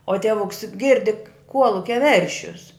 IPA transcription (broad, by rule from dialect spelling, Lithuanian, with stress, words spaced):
oː ˈtʲiɛʋʊks ˈɡʲɪrʲdʲɪ ˈkuɔlˠʊkʲɛ ˈʋʲɛrʲʃʲʊs